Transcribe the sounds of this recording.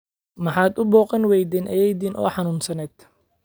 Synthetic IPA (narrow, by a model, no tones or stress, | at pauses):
mɑħɑːd̪ʊbɔːqɐnwɛjd̪iːnʔɐjɛjd̪iːnʔɔ̰ːħɑnuːnsɐnɛːd̪̥